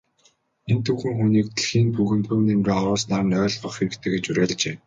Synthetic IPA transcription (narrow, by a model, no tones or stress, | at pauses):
ent̪ʰuxɘ̆ŋxuniːk̚t̪̆ʰɮxiːnpuɣɘ̆nt̪ʰɵwnemɡeːɔɾʊːsnaːrnœːɮɢə̆χxeɾɘ̆kt̪ʰɘ̆ɡet͡ɕuɾæːɮt͡ɕeː